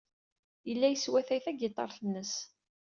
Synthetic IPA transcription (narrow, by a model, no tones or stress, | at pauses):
jəlːæjəswæθæjθæɡet̪ˤːɑ̰ɾˤθənːəs